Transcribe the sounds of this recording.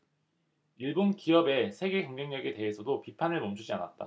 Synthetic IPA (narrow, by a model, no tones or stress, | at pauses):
iɭbonkiʌbe̞sʰe̞ɡe̞kʌŋɡʌŋɲʌɡe̞te̞ɦesʰʌdopipʰanɯɭmʌmd͡ʑʰud͡ʑiana̰t̚t͈a̰